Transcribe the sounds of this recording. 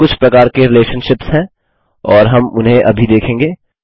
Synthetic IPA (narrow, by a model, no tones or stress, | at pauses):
kʊt͡ʃʰpɾɐkaːɾkeɾɪleːʃənʃɪpsɦɛ̃ː | ɔːɾɦɐmʊnɦẽʔɐbʱid̪eːkʰẽːŋɡeː